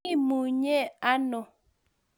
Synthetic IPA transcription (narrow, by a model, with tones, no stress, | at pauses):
i˦˨mu˨ɲɛ˦˨a˦nɔ˨